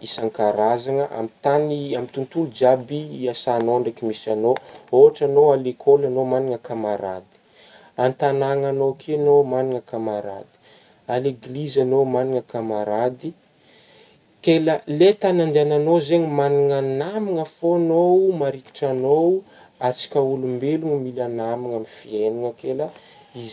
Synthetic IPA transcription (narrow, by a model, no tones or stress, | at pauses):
isaŋkaɾazaŋəʔa̰mit̪aniamit̪unt̪ulud͡ʒabiiasanoɳɖ͡ʐakimisanooaʈ͡ʂanoalekʰolanomaniŋəkamaɾa̰d̪i̥ | ant̪anaŋanowkʰenomaniŋəkamaɾa̰d̪i̥ | aleɡlizanowmaniŋəkamaɾad̪i | keləlet̪anand̪eananozeɲimaniŋanamiŋəfonowmaɾiki̥ʈ͡ʂanow | at͡si̥kʲaulumbeluŋəmilanamiŋamifieniŋəkelə | iz